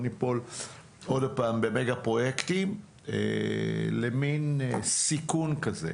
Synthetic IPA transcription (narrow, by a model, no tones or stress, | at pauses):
nipol | odapaːmbemeɡapʁo̞jekt̪im | ḛleminsikunkazḛ